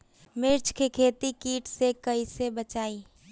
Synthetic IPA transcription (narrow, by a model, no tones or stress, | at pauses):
mɪɾt͡ʃkekʰeːt̪ikiːʈsekəisebət͡ʃaːiː